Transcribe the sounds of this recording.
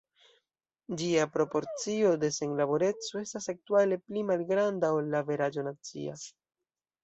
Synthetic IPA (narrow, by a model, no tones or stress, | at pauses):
d͡ʒiapɾo̞po̞ɾt͡sio̞de̞saŋlabo̞ɾe̞t͡so̞e̞stasak̚tuale̞plimalɡɾandao̞lːave̞ɾad͡ʒo̞nat͡sḭa̰